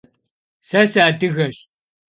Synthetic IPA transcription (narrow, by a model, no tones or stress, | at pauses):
sɐsaːdɨɣɐɕ